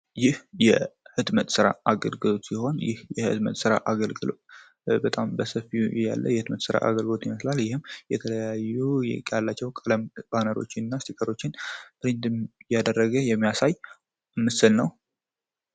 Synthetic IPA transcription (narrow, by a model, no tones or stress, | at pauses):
jɪhjɛhɨd̪mət̪ʼsɨɾa̰aɡəlɡɨlo̞t̪siho̞njɪ̰hjɛhɨ̰t̪mə̰t̪ʼsɨɾa̰ʔaɡəlɡɨlo̞̰t̪ | bət̪ʼambəsəfija̰lːə̰jɛhɨt̪mət̪sɨɾa̰ʔa̰ɡəlɡɨlo̞t̪jiməslaljɪhɨmːjɛt̪ʰələjajːukʼjalːat͡ʃːɛwkʼələmb̥anəɾo̞̰t͡ʃːɪnɨnːast̪ʰikʰʼəɾo̞t͡ʃːɪnbɨɾɨnd̪ɨjad̪ərːəɡəjɛmːijasaj | ɨmːɨsɨlnəw